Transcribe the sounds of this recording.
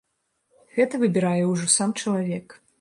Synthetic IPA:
ɣɛt̪ɐvɨbʲɪɾajɛwʐɔsamt͡ʂɐlˠavʲɛk

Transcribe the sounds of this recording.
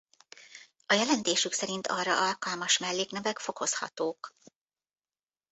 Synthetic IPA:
ɒjɛlɛnt̪eːʃyksɛɾint̪ʰɒrːɒʔɒlkɒlmɒʃmɛlːeːknɛvɛkfo̞ko̞shɒ̰t̪oːk

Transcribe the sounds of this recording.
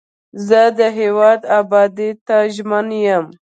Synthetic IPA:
zəd̪əɦewɑd̪abɑd̪it̪aʒmənjəm

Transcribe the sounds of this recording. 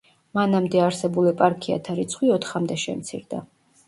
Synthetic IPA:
manamd̪ɛaɾsɛbulipʼaɾkʰia̰t̪ʰaɾit̪sʰχwiɔt̪ʰχamd̪ɛʃɛ̰mt̪sʰḭɾd̪a̰

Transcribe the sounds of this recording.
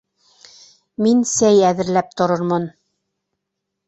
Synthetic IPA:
minsæjæðɘ̆ɾlæp̚t̪ŏɾɤɾmɤn

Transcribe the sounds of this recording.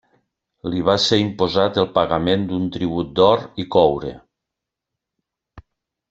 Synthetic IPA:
liβ̞aseɾimpozat̪elˠpaɣamend̪unt̪ɾiβ̞ut̪̚d̪ɔɾikɔwɾḛ

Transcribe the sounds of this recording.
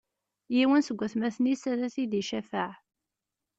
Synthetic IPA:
jiwənsəɡʷːæθmæθnisæɾæθiðiʃæfaʕ

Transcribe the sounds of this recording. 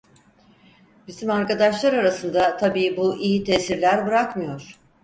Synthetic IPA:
bizimaɾkad̪aʃlˠaɾaɾasɯnd̪at̪ʰabiːbuʔijit̪ʰeːsiɾlʲæɾbɯɾakmɯjo̞ɾ̥

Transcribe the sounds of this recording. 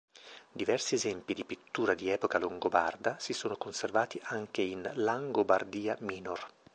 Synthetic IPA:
d̪ivɛrsiezɛmpid̪ipit̪ːuːɾad̪iɛːpokaloŋɡoba̰rd̪asisoːnokonservaːt̪iʔaŋkeinlaŋɡobard̪iːamiːnor

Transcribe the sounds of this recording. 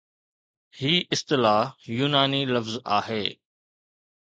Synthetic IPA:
hiːʔɪst̪ɪlaːɦjuːnaːnilɐfza̰ːɦeː

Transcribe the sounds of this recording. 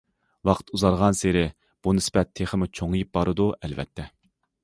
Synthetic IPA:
wɑqt̪uzɑɾʁɑnseɾɪ | b̥unɨsbɛt̪ʰːeχəmut͡ʃʰoŋɨjip̚bɑɾɨd̪uɛlvɛ̰t̪ʰːɛ

